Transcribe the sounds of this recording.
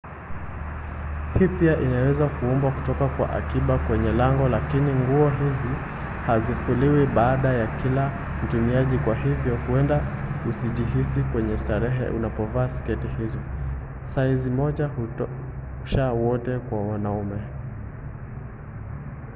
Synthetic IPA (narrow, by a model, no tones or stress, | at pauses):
hiːpiaʔinawɛzakuumbwaku̥tɔkakwa̰ʔa̰kiɓakwɛɲɛlaŋɡɔlakiniŋɡuɔɦizi | hazifuliwiɓaːɗajakila | n̩tumiaʄikwaɦivjɔhuɛndausiʄiɦisikwɛɲɛstaɾɛɦɛ̰ʔṵnapɔvaːsɛ̥kɛtihizɔ | saizimɔʄa | uʃawɔtɛkwawanaumɛ